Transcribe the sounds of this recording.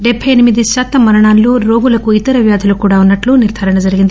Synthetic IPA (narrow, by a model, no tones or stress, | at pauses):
ɖɛbʱɐjɐnimid̪iʃaːt̪ɐmːɐɾɐɳaːllo̞ːɾo̞ːɡulɐkuit̪ɐɾɐʋjaːd̪ʱɐlukuːɽaːunːɐʈluniɾd̪ʱaːɾɐɳɐd͡ʒɐɾiɡind̪i